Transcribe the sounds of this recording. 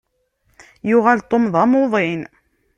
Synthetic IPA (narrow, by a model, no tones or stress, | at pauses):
jʊʁælt̪ˤːomðˤæmoðˤen